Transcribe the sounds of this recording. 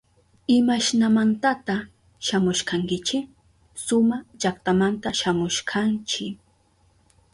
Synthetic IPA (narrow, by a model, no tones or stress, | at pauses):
ɪmaʃnamant̪at̪a | ʃamʊʃkaŋkɪt͡ʃɪ | sʊmaʎakt̪amant̪aʃamʊʃkʰant͡ʃɪ